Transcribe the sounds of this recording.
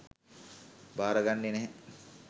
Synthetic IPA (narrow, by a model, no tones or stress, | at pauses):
baːɾəɡanːenɛɦɛ